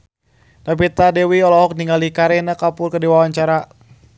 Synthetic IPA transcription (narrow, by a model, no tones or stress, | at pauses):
napit̪adɛwiɔlɔɦɔk̚niŋɡalikaɾɛnakapʊrkədiwawaɲt͡ʃaɾa